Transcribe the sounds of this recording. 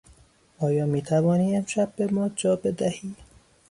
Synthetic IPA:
ʔɒːjɒːmiːt̪ʰævɒːniːe̞mʃæb̚ːe̞mɒːd͡ʒɒːbe̞d̪æhiː

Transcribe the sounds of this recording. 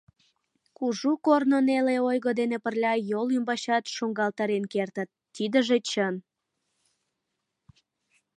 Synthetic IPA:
kuʒukornoneleojɣod̪enepərlʲɑjolymbɑɕɑt̪ʃoŋɡɑlt̪ɑɾenkert̪ət̪ːid̪əʒet͡ɕən

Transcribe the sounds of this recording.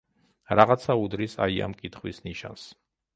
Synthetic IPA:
ɾaʁat̪sʰaud̪ɾisa̰ia̰mkʼit̪ʰχwisniʃa̰ns

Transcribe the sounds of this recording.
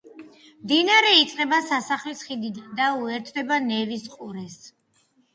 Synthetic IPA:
md̪inaɾɛit̪sʼqʼɛbasasaχlisχid̪id̪auɛɾt̪ʰd̪ɛbanɛvisqʼuɾɛs

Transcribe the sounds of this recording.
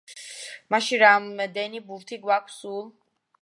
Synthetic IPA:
maʃiɾamd̪ɛnibuɾt̪ʰiɡwakʰsulˠ

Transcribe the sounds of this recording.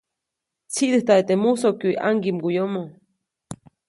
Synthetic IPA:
t͡sʰiʔd̪eht̪aʔet̪emusokjuʔjʔa̰ŋɡimɡujomo

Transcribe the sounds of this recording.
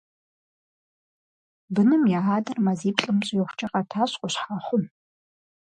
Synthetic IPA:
bɨnɨmjaːʕaːdɐrmaziːpɬʼɨmɕʼjɛχʷʊt͡ʃʼɐqɐtʰaːɕʼqʷʼʊɕħaːχʷʊm

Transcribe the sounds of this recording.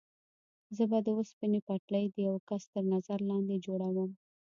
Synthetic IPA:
zəbad̪əospinepaʈləjd̪əjawkast̪əɾnazaɾlɑnd̪ed͡ʒoɽawəm

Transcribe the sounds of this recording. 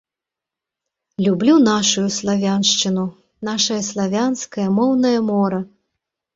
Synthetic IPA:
lʲublʲun̪aʂujuslˠavʲanʂt͡ʂɨnu | naʂɐjɐslˠavʲanskɐjɐmɔwnɐjɐmɔɾɐ

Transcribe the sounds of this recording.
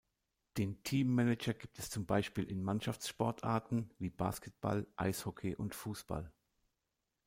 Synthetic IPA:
d̥eːntʰiːmːɛnɛd͡ʒɐɡiːp̚tʰɛst͡sʊmbaɪʃpiːlʔɪnmanʃaft͡sʃpɔɐtʰʔa̰ɐtn̩viːba̰ːskɛt̚b̥a̰lʔa̰ɪshɔkʰeʔʊntfuːsb̥a̰l

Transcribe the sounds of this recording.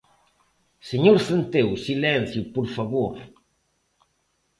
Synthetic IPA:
seɲoɾsent̪ewsilɛnθjupoɾfaβoɾ

